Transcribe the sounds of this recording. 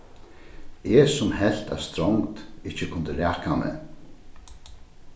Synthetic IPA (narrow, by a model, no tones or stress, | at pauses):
ɛsʊmhɛl̥t̪æ̰st̪ɾɔwŋkt̪ɪht͡ɕɪkʰʊnt̪əɾæːkamɛ̰